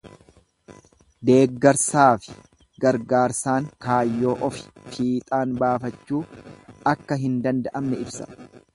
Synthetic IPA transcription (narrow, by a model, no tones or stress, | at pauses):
d̪e̞ːɡːɐɾsaːfɪ̥ | ɡɐɾɡaːɾsaːŋkaːjːo̞ːʔɔfɪ̥fiːt̪ʼaːnbaːfɐt͡ʃːuːɐkːɐɦɪnd̪ɐnd̪ɐʔɐmnɛɪbsɐ̥̰